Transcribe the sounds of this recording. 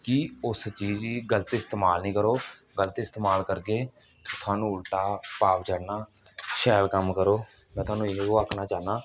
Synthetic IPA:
kɪʊst͡ʃiːd͡ʒiːɡələt̪ɪst̪eːmaːlnĩːkəɾoː | ɡələt̪ɪst̪eːmaːlkəɾɡeː | ot̪ʰʊaːnũːʊlʈaːpaːpd͡ʒəːɽnaː | ʃɛːlkəmkəɾoːmɛ̃ːt̪ʊwaːnũːeoːaːkʰnaːt͡ʃaːnaː

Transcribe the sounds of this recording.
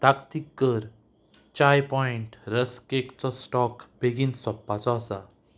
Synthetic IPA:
t̪akt̪ikːəɾ | t͡ɕajpɔiɳʈɾəskekt̪ɔsʈɔkbeɡiːnsɔpːat͡sɔasa

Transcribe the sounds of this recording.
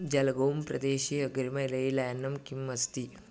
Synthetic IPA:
d͡ʑɐlɡowmpɾɐ̰d̪eːɕiːɐɡɾimɐjlɐilɐɐnːɐmkimːɐst̪iː

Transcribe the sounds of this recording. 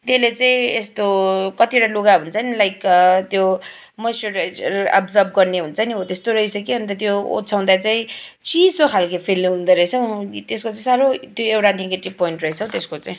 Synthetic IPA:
t̪elet͡saĩest̪okʌt̪ieʈaluɡaɦunt͡sʰʌnilajkt̪jo | mʌsoɾʌ̰bd͡zʌrb̚ɡʌrneɦunt͡sʰʌniot̪est̪oɾʌisʌkeʌnt̪ʌt̪̬joo̰t͡sʰaw̃d̪at͡saĩt͡sisokʰalkepʰilɦund̪ʌɾʌjsʰʌw̃t̪eskot͡saĩsaɾot̪joewʈaneɡeʈib̚poiɳʈrʌisʰʌw̃t̪eskot͡saĩ

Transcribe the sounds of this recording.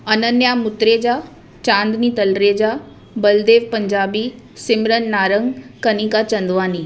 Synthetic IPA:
ɐnənjamʊt̪ɾeːd͡ʒaː | t͡ʃãːnd̪niːt̪ɐlɾeːd͡ʒaː | bəld̪eːʋpəɲd͡ʒaːbi | sɪmɾənːaːɾəŋɡkɐniːkat͡ʃɐ̃nd̪ʋaːniː

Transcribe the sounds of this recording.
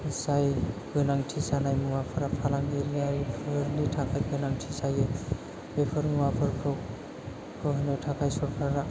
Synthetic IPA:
sajɡɯnaŋtʰisanajmuwapʰɯɾapʰalaŋɡiɾiaɾipʰɯɾnitʰakʰajɡɯnaŋtʰisaje | bepʰɯɾmuwapʰɯɾpʰɔ | kʰɔɦɯnɯtʰakʰajsɔɾpʰaɾa

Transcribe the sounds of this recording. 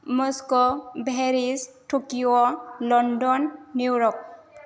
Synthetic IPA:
mɔskɔbʱɛɾisʈokiɔlɔndɔnːuɹɔk̚

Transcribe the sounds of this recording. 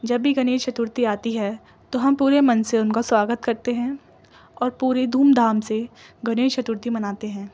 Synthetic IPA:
d͡ʒɐbːiɡɐneːɾt͡ʃɐt̪ʊɾt̪iaːt̪iɦɛ | t̪oɦɐmpuːɾemɐnseʊnkaswaːɡət̪kɐɾt̪eɦɛ̃ː | ɔːɾpuːɾed̪ʱuːmd̪ʱaːmseɡɐneːɾt͡ʃɐt̪ʊɾt̪imɐnaːt̪eɦɛ̃ː

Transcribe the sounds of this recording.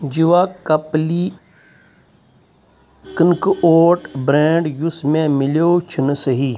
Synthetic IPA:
d͡ʒiʋaːkɐpli | kənkʔoːʈbɾẽːɳɖjusmẽːmɪljoːt͡ʃʰənəsəɦiː

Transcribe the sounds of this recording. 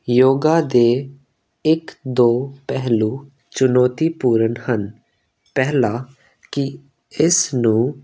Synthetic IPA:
joːɡaːd̪eː | ɪkd̪oːpɛɦluː | t͡ʃʊnɔːt̪iːpuːɾənhən | pɛɦlaː | kɪ | ɪsnũː

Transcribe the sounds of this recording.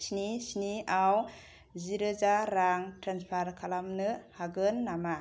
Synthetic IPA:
snisniaw | ziɾɯzaɾaŋtɾanspʰaɾkʰalamnɯhaɡɯnːama

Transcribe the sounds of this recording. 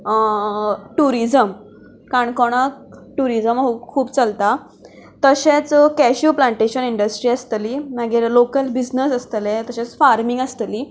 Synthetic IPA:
ʈuɾid͡zəm | kaɳkɔɽ̃akʈuɾid͡zəmɦukʰuːbt͡səlt̪a | t̪əɕẽt͡skɛɕuplaɳʈeɕəniɳɖəsʈɾiːəst̪əliːmaɡeɾlokəlbid͡znəsəst̪əlet̪əɕet͡sfaɾmiŋɡəst̪liː

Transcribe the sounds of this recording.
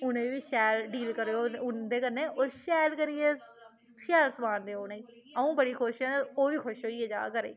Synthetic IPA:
ʊnẽːʋiːʃɛːlɖiːlkəɾoːoʊnd̪eːkəɾneːʔoːɾʃɛːlkəɾieː | ʃɛːlsəmaːnd̪eːoːnẽːi | əũːbəɽiːkʰoːʃɛ̃ːneoːʋiːkʰoʃɦoːieːd͡ʒa̰ːkəɾḛː

